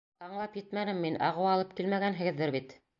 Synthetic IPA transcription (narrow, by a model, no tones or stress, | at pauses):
ɑɴlˠɑpjɘt̪mænɘmːinʔɑ̰ʁɤ̆wɑlˠɤp̚kilmæɡænɦɘ̆ɡɘ̆ðːɘɾβbit̪